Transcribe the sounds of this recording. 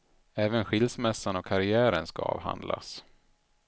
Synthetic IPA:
ɛːvənɧɪlsmɛsːanɔkʰːaɾɪæːɾənskaɑ̰ːvha̰nd̪la̰s

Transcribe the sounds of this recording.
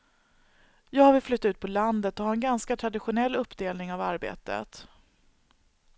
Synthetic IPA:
jɑːɡhavɪlflʏt̪ːaʉ̟ːt̪̚pʰɔland̪ət̪ɔhaɾɛnɡanskat̪ʰɾad̪ɪɧʊnɛlːɵpːd̪eːlnɪŋavaɾbḛːt̪ə̰t̪

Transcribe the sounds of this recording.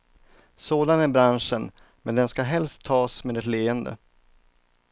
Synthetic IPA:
soːd̪anæɾbɾanʂən | mɛnd̪ɛnskaɦɛlst̪ʰːɑːsmeːd̪ɛt̪leːənd̪ə̰

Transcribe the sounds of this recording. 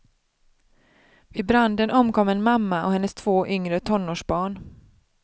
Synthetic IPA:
vɪbɾand̪ənʔɔmkɔmːɛnmamːaʔɔhɛnːəst̪ʰv̥oːʔʏŋɾət̪ʰɔnːoːʂbɑːɳ

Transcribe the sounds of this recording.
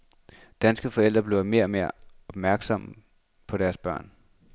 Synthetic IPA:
d̥ænsɡ̥əfɒ̽el̰d̥ʁɐb̥le̝ʊ̰ɐme̝ːɐ̰ɒ̽me̝ɐ̰ɒ̽b̥mæɐɡ̥sɒ̽m̰ | pʰɒ̽ɾ̥æɐsb̥ɶ̰ɐ̰n

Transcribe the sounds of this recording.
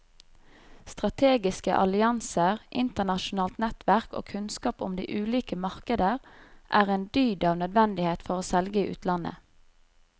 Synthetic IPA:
st̪ʁɑt̪ʰeːɡɪskə̰ʔɑ̰lɪɑnsəʁʔɪnt̪əʁnɑʃʊnɑːlt̪nɛt̪ʋæʁko̰ːkʰʉnskɑːpʊ̰md̪ḭːʔʉːliːkəmɑʁkəd̪əʁʔæːʁeːnd̪yːd̪ɑːʋnœd̪ʋɛnd̪ɪheːt̪fɔʁoːsɛlɡəiʔʉ̰ːt̪ʰlɑnə̰

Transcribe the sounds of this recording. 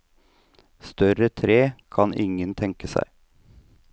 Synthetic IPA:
st̪œɾət̪ʰɾeːkʰɑnɪŋənt̪ʰɛŋkəsæ̰ɪ

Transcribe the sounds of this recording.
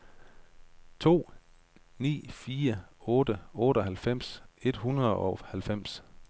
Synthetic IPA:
t͡sʰo̝̰ː | nḭːfiːɐɔ̽ːd̥əɔːɾəɒ̽ɦælfem̰se̝d̥hunɐð̩ˠɒhælfem̰s

